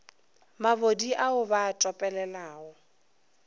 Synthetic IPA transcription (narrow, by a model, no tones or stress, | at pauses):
mabodiʔaʊbaːtʼɔpʼɛlɛlaːɔ